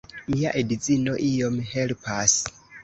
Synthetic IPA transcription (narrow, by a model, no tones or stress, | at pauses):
miaʔedizinoʔijomhelpʰas